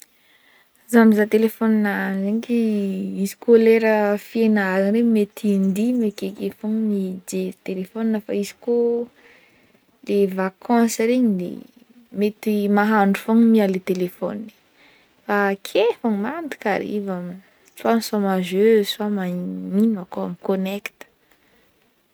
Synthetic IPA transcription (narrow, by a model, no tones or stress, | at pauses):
zamizat̪elefɔninanzeɲikiizi̥koleɾəfienaɾinɾemet̪ʰind̪imekekefoŋmid͡ʒet̪elefoninəfa̰izi̥ko | levakʰãsɾeɲilḛ | met̪imaɦaɳɖ͡ʐufoŋmialet̪elefɔ̰ninə̥ | fakʰefaŋmand̪i̥ka̰ɾḭvam | suamsamaʒøswamainakoa̰mikonɛkt̪ə̥